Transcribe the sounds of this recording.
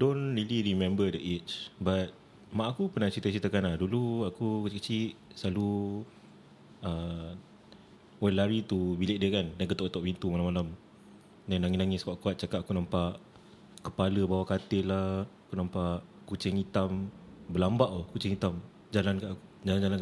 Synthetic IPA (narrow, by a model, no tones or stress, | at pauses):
donliliɾimɛ̃mbədəʔet͡ʃbat̪̚ | maʔakupənat͡ʃit̪ət͡ʃit̪əkanaduluakukət͡ʃɪkət͡ʃiʔsəlalu | ə | oɛlaɾit̪ubilɪʔ̚diəkandankət̪ɔʔkət̪ɔʔpint̪umalamalam | danaŋinaŋɪskaʔkuat̪̚t͡ʃakatakunampaʔ | kəpaləbawakat̪ɪlahakunampaʔ | kut͡ʃɪŋit̪ambəlambaʔokut͡ʃɪŋit̪am | d͡ʒalankaʔku̥d͡ʒaland͡ʒalankaʔ